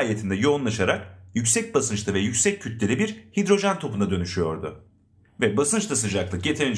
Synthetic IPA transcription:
jet̪ʰind̪ɛjo̞unlˠaʃaɾak̚jycsɛc̚basɯnt͡ʃt̪ʰˠavɛjycʲsɛcʰːyt̪ʰlʲe̞ɾibiɾhid̪ɾo̞ʒænt̪ʰo̞punad̪ø̞nyʃyjo̞ɾd̪ʊ | vɛbasɯnt͡ʃt̪as̬ɯd͡ʒaklˠɯk̚ɟe̞t̪ʰiɾin

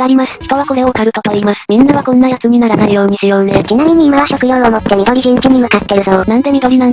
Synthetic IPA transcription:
aɾʲimasɨ̥çi̥t̪o̞β̞ako̞ɾe̞okaɾɯ̟t̪o̞t̪o̞imasɨ̥mʲĩnːaβakõ̞nːajat͡sɨɲ̟inaɾanaɾɯ̟jo̞ːɲ̟isɨjoːnd̪ekʲinamʲiɲ̟iːmaβaçokɯ̟joɯomo̞t̪ːe̞mʲid̪o̞ɾʲiɡẽŋkʲiɲ̟imɯ̟kat̪ːe̞ɾɯ̟sonãnt̪o̞mʲid̪o̞ɾʲinãn

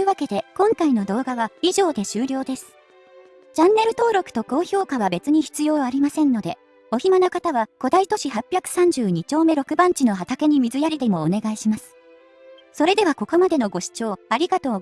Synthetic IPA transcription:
ɯ̟βake̞d̪e̞kõ̞ŋkaino̞d̪o̞ːɡaβaiʑo̞ːd̪e̞ɕɨːɾʲo̞ːd̪e̞sɨ̥ | t͡ɕãnːe̞ɾɯ̟t̪o̞ːɾo̞kɯ̟̥t̪o̞ko̞ːço̞ːkaβ̞abe̞t͡sɨɲ̟içi̥t͡sɨjo̞ːaɾʲimasẽ̞nːo̞d̪e̞ | o̞çimanokat̪aβako̞d̪ait̪o̞ɕiɦapʲjakɯ̟̥sãɲ̟d͡ʑɨːɲ̟it͡ɕo̞ːme̞ɾo̞kɯ̟bãɲ̟t͡ɕino̞ɦat̪ake̞ɲ̟imʲizɨjaɾʲid̪e̞mo̞ːne̞ɡaiɕimasɨ̥ | so̞ɾe̞d̪e̞β̞ako̞ko̞mad̪e̞no̞ɡo̞ɕi̥t͡ɕo̞ːaɾʲiɡat̪o̞ː

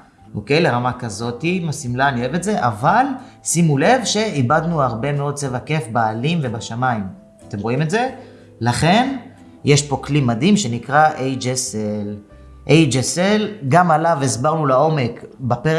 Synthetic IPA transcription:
ʔoke̞jle̞ʁamakazo̞timasimlanievetze̞ʔavalsimule̞vʃe̞ibadnuaʁbe̞meo̞d̚t͡sevake̞fbaːlimve̞baʃamaim | at̪e̞mʁo̞ime̞tze̞ | laχe̞n | jeʃpo̞klimad̪imʃe̞nikʁaʔejd͡ʒesel | ʔejd͡ʒeselɡamalavezbaʁnulao̞me̞kbape

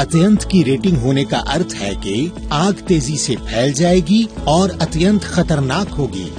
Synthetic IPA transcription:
ɐt̪jə̃nt̪ʰkiɾeːʈɪ̃ŋɡɦoːneka̰ʔɐɾt̪ʰɦɛ̰keaːɡt̪eːzisepʰɛːld͡ʒaːeːɡiɔːɾɐt̪jə̃nt̪ʰxɐt̪əɾnaːkɦoːɡḭː

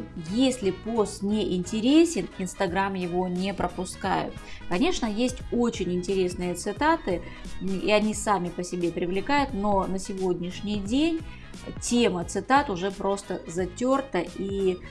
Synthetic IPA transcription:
jesʲlʲɪpost̪nʲeʔɪnʲtʲɪɾʲesʲɪnɪnst̪ɐɡɾamjɪvo̞nʲepɾəpʊska̰jʊ̰t̪kɐnʲe̞ʂnəjesʲtʲo̞t͡ɕɪnʲɪnʲtʲɪɾʲe̞snɨjət̪sɨt̪at̪ɨ | ḭɐnʲisamʲɪpəsʲɪbʲepɾʲɪvlʲɪkajʊt̪no̞nəsʲɪvo̞dʲnʲɪʂnʲɪjdʲenʲ | tʲemət̪sɨt̪at̪ʊʐɛpɾo̞st̪əzɐtʲort̪əʔi

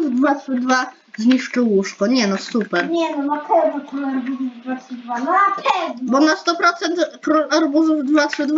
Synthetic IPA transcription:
vd̪vatʂɘd̪va | zɲiʂt͡ʂɨwuʂkɔɲɛnɔsupɛɾɲɛnɔnapʰɛvnɔkɔlaɾbuzuvd̪vatʂɨd̪vanapʰɛvnbɔnast̪ɔpɾɔt̪sɛnt̪kɾɔlaɾbuzuvd̪vat̪ʂɘd̪v

